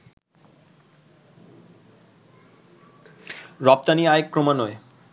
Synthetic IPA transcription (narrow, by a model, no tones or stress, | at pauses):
ɾɔp̚t̪aniajekːɾomanɔe